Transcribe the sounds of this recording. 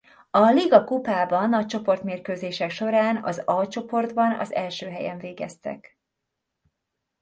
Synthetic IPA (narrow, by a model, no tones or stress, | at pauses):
ɒliɡɒkupaːbɒnɒct͡ʃo̞po̞rt̪meːrkøːzeːʃɛkʃo̞ɾaːnɒ̰zɒlt͡ʃo̞po̞rd̪bɒnɒ̰zɛlʃøːɦɛjɛɱveːɡɛ̰st̪ɛ̰k